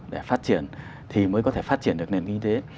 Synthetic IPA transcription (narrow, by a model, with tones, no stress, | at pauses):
ɗḛ˧˩faː˦˥t̚t͡ɕi˧˩˨ən | t̪ʰi˨˩məː˨˦jkɔ˨˦t̪ʰe˧˩faː˦˥t̚t͡ɕi˧˩ənɨ˨ək̚ne˨˩nki˧t̪e˨˦